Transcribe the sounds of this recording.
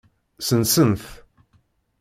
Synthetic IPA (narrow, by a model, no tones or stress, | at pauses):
sənsənθ